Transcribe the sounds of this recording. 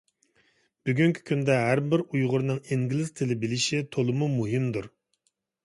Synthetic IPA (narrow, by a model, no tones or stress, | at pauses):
b̥yɡʲyŋkʲʰi̥kʲʰynd̪ɛɦæɾbɪɾujʁʊɾɨnɨŋiŋɡʲilˠɪz̥t̪ʰɪlɪbɪlɪʃit̪ʰolˠɨmumuɦɪmd̪uɾ